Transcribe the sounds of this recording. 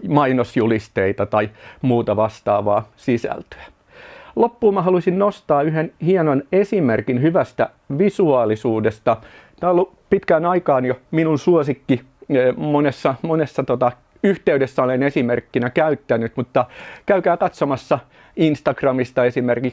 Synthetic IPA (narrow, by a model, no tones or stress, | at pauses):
mɑinosjulist̪eit̪ɑt̪ɑimuːt̪ɑʋɑst̪ɑ̰ːʋɑːsisæ̰lt̪ø̥æ | lopːuːmɑɦɑluisinnost̪ɑːyhenhienonesimerkinhyʋæst̪æ | ʋisuɑːlisuːdest̪ɑ | t̪æːolːu | pit̪kæːnɑikɑːnjominunsuosikːi | monesːɑmonesːɑt̪ot̪ɑ | yht̪eydesːæolenesimerkːinækæyt̪ːænyt̪mut̪ːɑkæykæːkɑt̪somɑsːɑ | inst̪ɑɡ̥rɑmist̪ɑesimerkik